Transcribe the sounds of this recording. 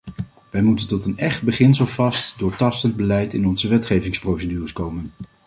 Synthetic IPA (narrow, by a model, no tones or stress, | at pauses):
ʋɛjmutəntɔtənɛχd̚bəχɪnsəlˠvɑstdʊːɹtɑstənd̚bəlɛjtɪnɔnzəʋɛtχejvɪŋsprowsədyːrəskowmən